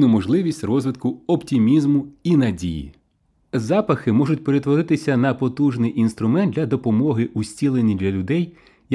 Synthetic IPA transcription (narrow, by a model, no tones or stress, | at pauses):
nʊmɔʒlˠɪʋʲisʲtʲrɔzʋɪt̪kʊɔptʲimʲizmʊinɐdʲḭjḭ | zɑpɐxɪmɔʐʊtʲpe̞ɾe̞t̪ʋɔɾɪt̪ɪsʲɐnɐpɔt̪uʒnɪjʔinst̪ɾʊmɛnd̪lʲɐd̪ɔpɔmɔɦɪʔusʲt͡sʲilˠenʲːid̪ʲlʲɐlʲʊd̪ɛj | j